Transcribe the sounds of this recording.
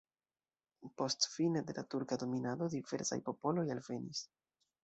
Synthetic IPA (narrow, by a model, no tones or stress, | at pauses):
po̞stfine̞de̞latuɾkado̞minado̞div̥e̞ɾsa̰jpo̞po̞lo̞jalve̞nḭs